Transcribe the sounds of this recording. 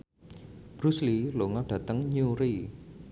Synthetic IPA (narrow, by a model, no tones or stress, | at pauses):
b̥ɾusliloŋɔɖ̥ä̤t̪əŋɲuɾi